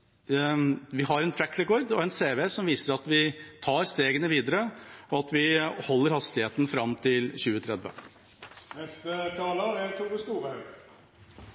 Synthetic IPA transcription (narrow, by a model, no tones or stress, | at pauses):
ʋɪhɦɑɾɛnt̪ʰɾækːɾɛkoːɾd̪ɔɛnseːʋeːsɔmʋiːsəɾɑt̪ʋɪt̪ʰɑːɾst̪eːɡənəʋiːd̪əɾəɔɑt̪ʋɪhɔlːəɾhɑst̪ɪheːt̪ən̩fɾɑmt̪ʰɪlçʉːət̪ʰɾɛd̪ʋə̰ | nɛst̪ət̪ʰɑːlɑæt̪ʰuːʁəsk̪uːʁəhɑʉ